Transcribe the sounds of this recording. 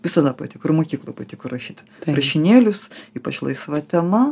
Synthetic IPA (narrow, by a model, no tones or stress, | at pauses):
ʋʲɪsɐd̪ɐpɐt̪ʲɪkʊɾmoːkʲiːklˠoːjpɐt̪ʲikʊrrɐʃʲiːt̪ʲ | rɐʃʲɪnʲeːlʲʊsiːpɐt͡ʃlˠɐɪsʋɐt̪ʲɛmɐ